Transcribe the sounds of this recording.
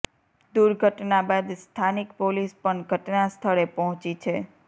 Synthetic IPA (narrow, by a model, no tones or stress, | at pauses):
d̪uɾɡʱəʈnabad̪st̪ʰanikpolispəɳɡʱəʈnast̪ʰəɭepɔɦɔ̃t͡ʃit͡ʃʰe